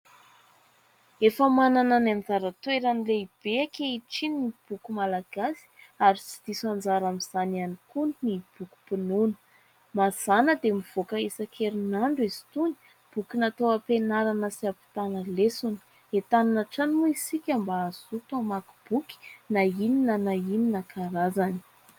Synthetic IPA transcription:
efəmanananand͡zaɾət̪weɾanileib̥eakʲeiʈ͡ʂinib̥ukumalaɡ̥asi̥aɾit͡si̥d̪̥isand͡zaɾamiz̥anianikunnib̥uku̥pinunə̥ | maz̥anəd̪emiv̥okəesakʰeɾinaɳɖ͡ʐezi̥t̪uni̥ | b̥ukinat̪oapenaɾanəsiapi̥t̪anəlesuni̥ | et̪anunaʈ͡ʂanimuisikʲambaazut̪amaku̥b̥uki̥naininənaininakaɾazani̥

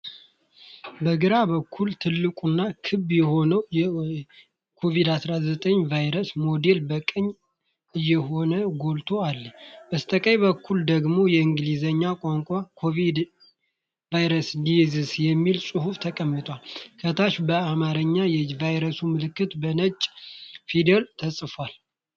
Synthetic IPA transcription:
bəɡɨɾaβəkʰːult̪ʰɨlːɨkʼunːakʰɨbjɛho̞nəwjɛ | kʰo̞vid̪asɾazət̪ʼəɲːvajɾəsmo̞d̪e̞lbəkʼəɲː | ɨjːɛɦo̞nəɡo̞lt̪ʰoalːəbəst̪ʼəkʼəjβəkʰːuld̪əɡmo̞jɛɨŋɡlizəɲːakʼaŋkʷʼakʰovid̪ | vajɾəslizɨsjɛmːilsʼɨɦuft̪ʰəkʼəmːɨt̪ʼalkʰət̪ʰaʃbəamaɾəɲːajɛvajɾəsumɨlɨkːɨt̪bənət͡ʃʼfid̪elt̪ʰəsʼfal

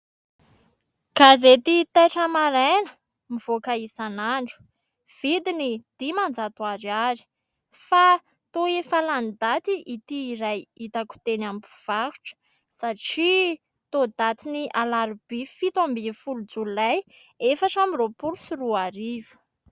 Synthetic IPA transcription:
kazet̪it̪ajʈ͡ʂəmaɾanə | miv̥okaisanaɳɖ͡ʐu̥ | v̥id̪inid̪̥imand͡zat̪waɾiaɾi̥ | fa | t̪oefaland̪at̪iʔit̪iːɾajit̪aku̥t̪enambu̥v̥ahu̥ʈ͡ʂə̥ | saʈ͡ʂi | t̪od̪at̪iniʔalaɾub̥efit̪ambifulud͡zululaj | efaʈ͡ʂamiropuɾusiruaɾivu̥

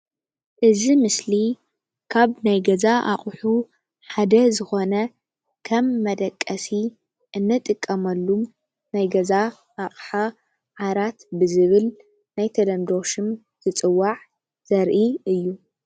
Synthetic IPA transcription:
ʔɨzimɨsli | kʰaβnajɡɐzaʔa̰χʼħu | ħad̪ɐzɨxo̞nɐ | kʰɐmːɐd̪ɐkʼːɐsi | ʔɨnːɨt̪ʼɨkʼːɐmɐlːum | najɡɐza | ʔaχʼħa | ʕaɾat̪bɨzɨβɨl | najt̪ʰɐlɐmd̪o̞ʃɨm | z̥ɨt͡sʼɨwːaʕ | z̥ɐɾʔiɨjːu

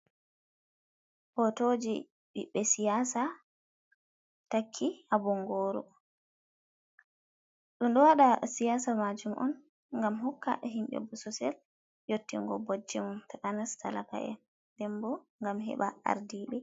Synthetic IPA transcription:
ʔɔtod͡ʒi | ɓiɓːɛsijaːsa | takʰːihabɔŋɡoːɾɔ̰ | ɗunɗɔwaɗasijaːsamad͡ʒumʔɔ̰n | ŋɡamɦɔkːa̰ʔɛɦimɓɛ̰busɔsɛl | jotːḭŋɡɔbod͡ʒːɛmɔntakanastalaka̰ʔɛ̰ | dɛmbɔŋɡamɦɛ̰ɓaa̰ɾdiɓɛ

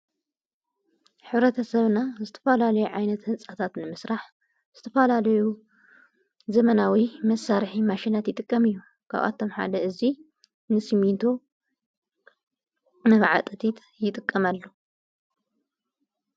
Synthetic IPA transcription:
ħɨβɾɐt̪ʰɐsɐβnazɨt̪ʰɐ̥falalɐjuʕajnɐt̪hɨnsʼat̪ʰat̪nɨmɨsɾaħ | z̥ɨt̪ʰɐfɐlalɐju | zɐmɐnawimɐsːaɾħimaʃinat̪jɪt̪ʼɨkʼːɐmɨjːu | kʰa̰βa̰t̪ʰːo̞mħa̰d̪ɐɨzi | nɨsimint̪ʰo̞ | mɐβʕa̰t̪ʼɐt̪ʰit̪ | jɪt̪ʼɨkʼːɐmalːo

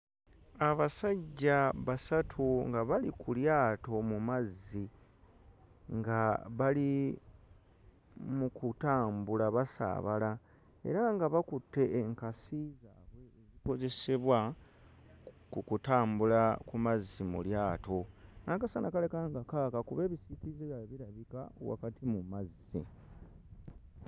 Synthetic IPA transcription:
aβasaɟːaβasatʰuŋɡaβalikʰuljaːto̞mumazːi | ŋɡaβali | mukutaːmbulaβasa̰ːβa̰la | e̞̰ɾaŋɡaβakutːe̞ʔːŋkasizaːβwe̞ːziko̞ze̞se̞βwa | kukutaːmbulakumazːimṵljaːto̞naːkasanakale̞kaŋɡakaːkakuβe̞ːβisikizeβjaβiɾaβikaowa̰katimumazːḭ

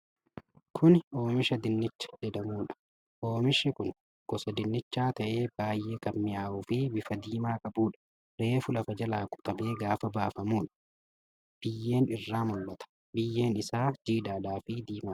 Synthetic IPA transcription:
kʰʊno̞ːmɪʃɐd̪ɪnːɪt͡ʃːɐ̥d͡ʒɛd̪ɐmuːᶑɐ̥ | ʔoːmɪʃɪkʊn | ɡ̥ɔsɐd̪ɪnːɪt͡ʃːaːt̪ɐʔe̞ːb̥aːjːe̞ːkɐmmɪjaːʔuːfɪbɪfɐd̪iːmaːkʼɐbuːᶑɐ̥ | ɾe̞ːfʊlɐfɐd͡ʒɐlaːkʼʊ̥t̪ɐbe̞ːɡaːfɐbaːfɐmuːᶑɐ̥ | b̥ɪjːe̞ːnɪrːaːmʊlːɐt̪ɐ̥ | bɪjːe̞ːnɪsaːd͡ʒiːd̪aːdaːfɪd̪iːmaː

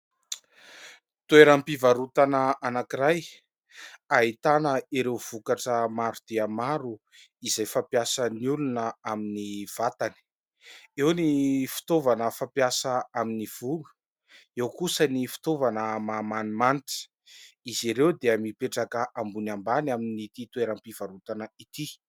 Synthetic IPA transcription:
t̪ueɾampivaɾut̪anəʔanakiɾaj | aɦit̪anəiɾewv̥ukaʈ͡ʂəmaɾud̪̥eamaɾu | izajfapjasənulunəaminiv̥at̪ani̥ | ewnifi̥t̪ovanəfapjasəaminiv̥ulu̥ | ewkusənifi̥t̪ovanəmamanimanti̥ | iziɾewd̪eəmipeʈ͡ʂakəʔambunambanaminit̪it̪weɾampiv̥aɾut̪anəit̪i

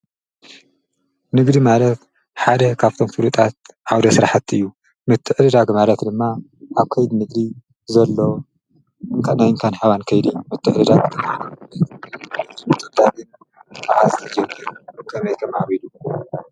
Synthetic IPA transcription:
nɨɡd̪imalɐt̪ | ħad̪ɐkʰaβt̪ʰo̞mfɨlut̪ʼat̪̚ʕawd̪ɐsɨɾaħat̪ɨjːu | mɨt̪ʰːɨʕɨd̪ɨd̪aɡɨmalɐt̪d̪ɨmːa | ʔaβkʰɐjd̪inɨɡd̪i | zɐlːo̞ | ŋkʰanajɨŋkʰanħaβankʰɐjd̪imɨt̪ʰːɨʕɨd̪ɨd̪aɡt̪ɨmalɐ | mɨt̪ʰːɨʕd̪aɡɨn | aʔazʰɐd͡ʒɐmiɾkʰɐmɐjt̪ʰɐmaβilu

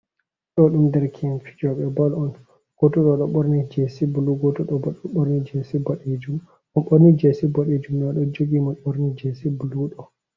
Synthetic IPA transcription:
ɗɔɗumdɛɾkʰinfi̥d͡ʒɔɓɛbalɔn | ɡ̥ɔtɔɗɔɗɔɓoɾnid͡ʒesibuluɡɔtɔɗɔbɗɔɓoɾnid͡ʒesibaɗed͡ʒum | ɔnɓoɾnid͡ʒesibaɗed͡ʒumnɛɗɔd͡ʒoɡimɔɓoɾnid͡ʒesibuluɗɔ

